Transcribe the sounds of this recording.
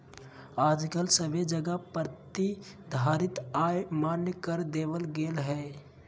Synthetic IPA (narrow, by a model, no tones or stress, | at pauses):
aːd͡ʒkəlsəbed͡ʒəɡəpəɾt̪id̪ʱaːɾɪt̪aːemaːnjəkəɾd̪eːbəlɡeːlɦɛː